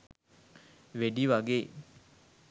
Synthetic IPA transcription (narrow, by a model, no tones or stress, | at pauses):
ʋeɖiʋaɡe